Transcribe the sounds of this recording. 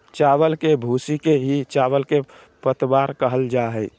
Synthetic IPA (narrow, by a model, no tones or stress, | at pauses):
t͡ʃaːʋəlkebʱusikeɦit͡ʃaʋəlke | pət̪baɾkəɦəld͡ʒaɦɛɪ